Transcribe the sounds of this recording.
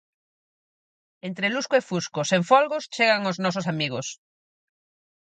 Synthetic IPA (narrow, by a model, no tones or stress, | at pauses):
ent̪ɾeluskoefuskoseɱfɔlɣost͡ʃeɣaŋoznɔsʊsamiɣ̞ʊs